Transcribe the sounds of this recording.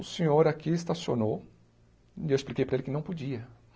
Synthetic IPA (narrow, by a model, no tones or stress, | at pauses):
ʊsẽɲoɾakiɪst̪asionow | ewɪsplikejpɾɐelɪkɪnɐ̃w̃pod͡ʒiɐ